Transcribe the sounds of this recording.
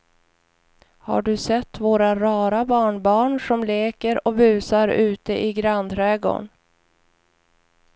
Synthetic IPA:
ha̰ɖɵsɛt̪ːvoːɾaɾɑːɾabɑːɳbɑːɳʂɔmleːkəɾɔbʉ̟ːsaɾʉ̟ːt̪əʔɪɡɾand̪ʰɾɛːɡo̰ɳ

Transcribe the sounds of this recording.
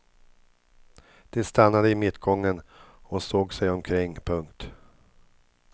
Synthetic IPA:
d̪̥ɛst̪anːad̪əɪmɪt̪ːɡɔŋːənɔsoːɡsɛjɔmkʰɾɪŋːpʰɵŋkt̪

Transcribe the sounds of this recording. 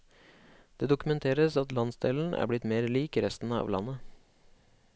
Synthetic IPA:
d̪̥eːd̪ʊkʉmɛnt̪ʰeːɾəsɑt̪lɑnsd̪eːln̩ʔæ̰ːɾblɪt̪meːɾliːkɾɛst̪n̩əɑ̰ːʋlɑ̰nə

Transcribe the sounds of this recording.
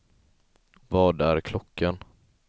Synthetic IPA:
vɑːɖ̪æɾkʰlɔkʰːən

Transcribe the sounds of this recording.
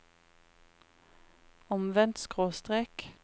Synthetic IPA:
ɔmʋɛnt̪skʁoːst̪ʁeːk

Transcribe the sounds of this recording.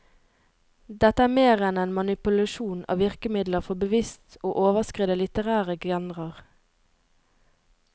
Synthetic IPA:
d̪ɛt̪əæːmeːʁɛneːnmɑnɪpʉlɑʃuːnɑ̰ːʋɪʁkəmɪd̪ləʁfɔbəʋɪst̪oːʔoːʋəskʁɪːd̪əlɪt̪əʁæːʁəɡɛnʁəʁ

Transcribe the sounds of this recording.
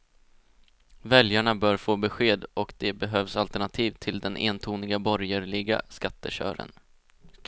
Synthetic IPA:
vɛljaɳabœːɾfoːbɛɧeːd̪ɔkd̪ɛbɛɦøːvsalt̪əɳat̪ʰiːvt̪ʰɪld̪ɛnʔḛːnt̪ʰuːnɪɡabɔɾjəɾɭɪɡa̰skat̪ːəɕœ̰ːɾə̰n

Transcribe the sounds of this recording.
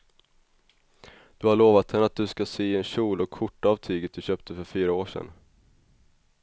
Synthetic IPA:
d̪̥ɵhaɭoːvat̪hɛnːəat̪̚d̪ɵskasiːɛnɕuːlɔkʰːʊʈːavt̪ʰyːɡət̪̚d̪ɵɕøːp̚t̪ʰəfœɾfyːɾaoːʂɛ̰n

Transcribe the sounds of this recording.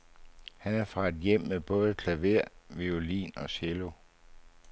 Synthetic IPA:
hænæɐfʁɑ̈e̝d̥jem̰meb̥ɔ̽ːð̞ˠəkʰlæʋe̝ɐ̰ʋiolḭːnɒ̽ɕelo̝

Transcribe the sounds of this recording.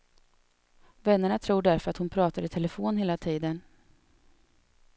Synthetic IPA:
vɛnːəɳat̪ʰɾuːɖæɾfœɾat̪hʊnpʰɾɑːt̪aɾɪt̪ʰɛləfoːnheːlat̪ʰiːd̪ən

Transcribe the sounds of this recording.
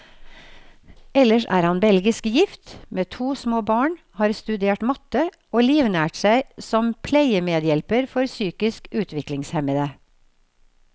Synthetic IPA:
ɛləʃæ̰ːɾhɑnbɛlɡɪskjɪft̪meːt̪ʰuːsmoːbɑːɳ | hɑːɾst̪ʉd̪eːʈmɑt̪ə | ʔoːliːʋnæːʈsæɪsɔmpʰlæɪəmeːd̪jɛlpəɾfɔɾsyːkɪskʉːt̪ʰʋɪklɪŋshɛməd̪ə

